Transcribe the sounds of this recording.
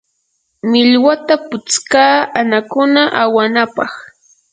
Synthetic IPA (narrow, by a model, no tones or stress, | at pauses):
mɪʎwat̪apʊt͡skaːanakʊnaʔawanapɑχ